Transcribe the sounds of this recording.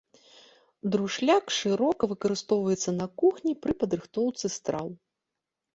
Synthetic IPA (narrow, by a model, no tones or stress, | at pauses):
d̪ɾuʂlʲakʂɨɾɔkɐvɨkɐɾɨst̪ɔwvɐjɛt̪sːɐnɐkuxnʲipɾɨpɐd̪ɾɨxt̪ɔwt̪sɨst̪ɾa̰w